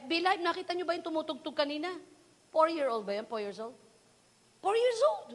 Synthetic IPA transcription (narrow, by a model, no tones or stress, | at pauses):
bɪlajm̚nɐkiːt̪ɐɲobɐjʊnt̪ʊmuːt̪ʊɡ̚t̪ʊɡ̚kɐniːnɐ | fɔɹjiɹʔowlˠd̪̚bɐjanfɔɹjiɹsowld̪̚ | fɔɹjiɹsold̪